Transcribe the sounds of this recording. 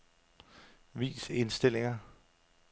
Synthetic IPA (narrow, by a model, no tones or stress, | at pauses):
ʋḭːse̝nsd̥e̝l̰eŋɐ